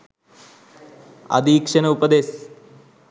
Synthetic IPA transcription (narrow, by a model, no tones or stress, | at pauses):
ɐ̰d̪ʱiːkʂɐnɐupɐd̪eːs